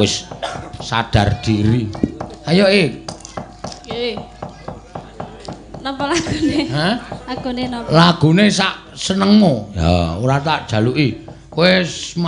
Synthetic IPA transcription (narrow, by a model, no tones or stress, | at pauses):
wɪsː | ad̥a̤rd̪̥iɾiajoʔe | nɔmpɔlaɡ̥uneɦəlaɡ̥unenlaɡ̥ṳnesaʔ | sənəŋmoja̰uɾat̪aʔd̥ʒ̥ä̤luʔi | koesma